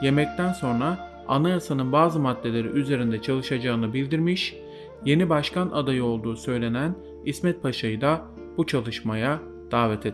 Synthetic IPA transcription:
je̞mɛc̚t̪ʰænso̞nɾa | anajasanɯnbaːzɯmad̪ːe̞lʲe̞ɾḭʔyze̞ɾind̪ɛt͡ʃʰalˠɯʃad͡ʒaɯnɯbilʲd̪iɾmiʃ | je̞nibaʃkanad̪ajɯo̞lˠd̪uːsø̞jlʲe̞næn | ismɛt̪̚pʰaʃajɯd̪a | b̥ut͡ʃʰalˠɯʃmaja | d̪̥aːvɛt̪ʰe

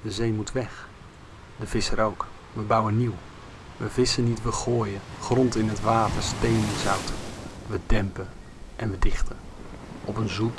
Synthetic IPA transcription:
dəzejmutʰʋɛx | dəv̥ɪsəɾowk | ʋəbawəniw | ʋəvɪsənitʋəχoːjəχrɔntɪnətʋaːtəɹstejnəzawtʋədɛmpə | ʔɛnʋədɪχtən | ɔpənzut

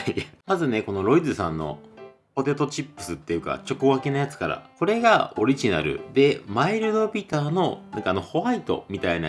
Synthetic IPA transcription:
aimazɨne̞ko̞no̞ɾo̞id̪ɨsã̰nːo̞̰ | po̞t̪e̞t̪o̞t͡ɕipːɯ̟̥sɨt̪ːejɯ̟ka̰t͡ɕo̞koβakʲinajat͡sɨ̥kaɾa̰ko̞ɾe̞ɡao̞ɾʲiʑina̰ɾɯ̟̰d̪e̞maiɾɯ̟d̪o̞bʲit̪aːno̞nã̰ŋkaːno̞ho̞βait̪o̞̰mʲit̪aina̰

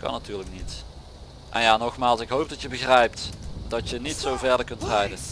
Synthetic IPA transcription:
kɑ̰natyːɹləknit | ʔɛ̰njaːnɔxmaːlˠsɪkɦowp̚dɑtjəbəɣrɛjptdɑtjənitsowvɛɹdəɹkɵntrɛjdən

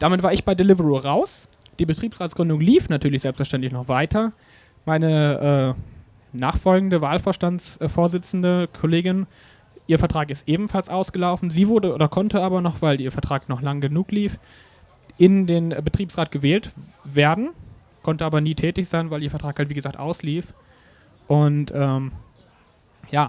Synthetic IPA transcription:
d̥aːmɪtv̥aːɐɪçb̥aɪdelɪvəʁuʁaʊs | d̥iːbətʁ̥iːpsʁaːtsɡ̥ʁʏndʊŋliːfnatʰyːɐlɪçz̥ɛlpstfɛɐʃtɛntlɪçnɔχv̥aɪtʰɐ | maɪnəʔɛː | naːχfɔlɡŋ̩dəvaːlfoːɐʃtant͡sfoːɐzɪt͡sn̩dəkʰɔleːɡɪn | ʔiːɐfɛɐtʁ̥aːkɪstʔeːbm̩falsʔaʊsɡ̥əlaʊfn̩ziːvʊɐdəʔoːdɐkʰɔntəaːbɐnɔχv̥aɪliːɐfɛɐtʁ̥aːknɔχlaŋɡənuːkliːf | ʔɪndeːnbətʁ̥iːpsʁ̥aːt̚ɡ̥əvɛːltveːɐdn̩ | kʰɔntəʔaːbɐniːtʰɛːtɪçz̥aɪnvaɪliːɐfɛɐtʁ̥aːkhaltv̥iːɡəzaːktʔa̰ʊsliːf | ʔʊntʔɛːm | jaː

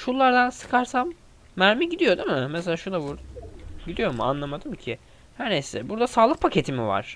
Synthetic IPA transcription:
ʃulːˠaɾd̪ansɯ̥kʰaɾsamː | æɾmiɟid̪ijo̞d̪imɪmeselʲaːʃunabuɾd̪ɟid̪ijo̞mua̰nlˠamad̪ɯmcʰɪ | hæɾnesɛbuɾd̪asaːlˠɯk̚pʰacʰe̞t̪ʰimiva̰ɾ̥

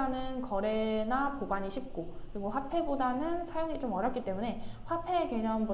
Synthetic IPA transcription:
anɯnkʌɾenapobaɲiɕʰip̚k͈okɯɾiɡoɸwapʰe̞bodanɯnsʰajoŋit͡ɕomʌɾjʌpk͈it͈e̞mune̞ɸwapʰe̞kwe̞ɲʌnbu

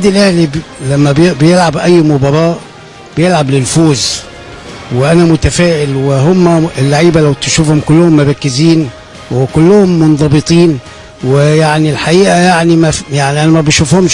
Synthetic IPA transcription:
d̪ilʔæhlilæmːæbbejelʕabʔæjːmʊbɑɾˤɑːʔ | b̥ejelʕablɪlfuːz | weʔænæmʊt̪æfæːʔɪlweɦʊmːæɪlːaʕiːbælæwt̪ɪʃuːfhomkʊlːʊhʊmːoɾˤɑkːɪziːn | wekʊlːʊhʊmːʊnðˤɑbɨt̪ˤiːn | wejaʕnilħaʔiːʔæjaʕnimæjaʕniʔænæmæbeʃufhʊm

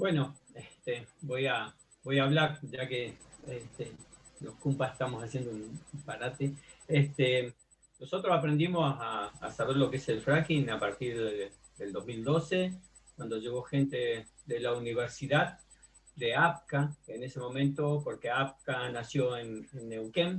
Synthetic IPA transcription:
bwe̞no̞et̪ebo̞ja | bo̞jaːβlaɾʒakeeht̪e | lohkumpase̥ht̪amosasje̞nd̪ounumpaɾat̪eest̪e | noso̞t̪ɾosapɾend̪imosa̰ːsaβeɾlo̞keese̞lfɾakinapaɾt̪iɾðe | ðeld̪o̞zmild̪o̞se | kwand̪oʒe̞ɣ̞o̞xe̞nt̪e | ðelauniβ̞eɾsiðað | d̪eap̚kaenesemõ̞mẽnt̪opo̞ɾkeap̚kanasjo̞ennːewkem

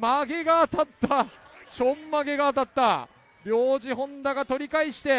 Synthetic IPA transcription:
maɡe̞ɡat̪at̪ːaɕo̞mːaɡe̞ɡat̪at̪ːa | bʲo̞ːʑiɦõ̞nd̪aɡat̪o̞ɾʲikaiɕi̥t̪e̞

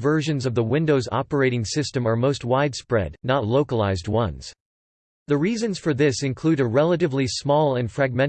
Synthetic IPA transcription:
vɜ˞ʒɨ̃nzʌvðəwɪ̃ndoʊzɑ̰pə˞eɪɾɪ̃ŋsɪstɨ̃mə˞moʊst̚waɪd̥spɹɛ̰dⁿnətˡloʊkəlaɪzd̚wʌ̃nz̥ | ðɨɹizɨ̃nz̥fə˞ðɪsɨ̃nkʰl̥ʉɾɨɹɛlˠəɾɨvlismɔlˠɨ̃nfɹæɡ̚mɛ̃n

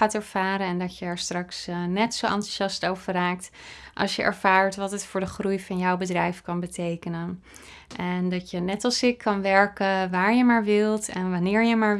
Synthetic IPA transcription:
aːtɛɹv̥aːɾənɛndɔtjəɛɹstrɑksnɛtsoʔɑ̰ntuʃɑstowvəraːk̚t | ʔɑ̰lˠsjəʔɛ̰ɹv̥aːɹtʋɑtətfʊːɹdəχrujfɑnjɔwbədrɛjfkɑnbətʰejkənən | ʔɛndɑtjənɛtɑlˠsɪkʰːɑnʋɛɹkəʋaːɹjəmaːɹʋɪlˠtɛnʋanɪːɹjəmaːɹ

